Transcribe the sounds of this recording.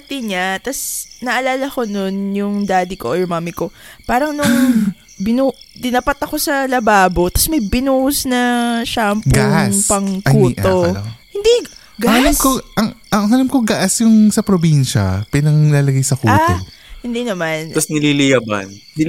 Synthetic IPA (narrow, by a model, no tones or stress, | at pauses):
t̪iɲat̪ɐsnɐʔɐlaːlɐko̞nonjʊŋd̪aːd̪ɪkoʔjʊmaːmɪko̞paːɾɐŋnʊŋ | bɪnud̪ɪnapɐt̪ɐko̞sɐlɐbaːbo̞t̪ɐsmɐjbɪnuːhʊsnɐʃaʔɐmpɡaʔapɐŋkuːt̪ohɪnd̪i | ɡaɐɐlamkoʔɐŋʔɐŋɐlɐmkoɡɐʔɐsjʊŋsɐpɾobinʃɐ̰pɪnɐŋlaːlɐɡajsɐkuaːt̪o | hɪnd̪inɐmant̪ɐsnɪlilɪjabɐ̰nd̪i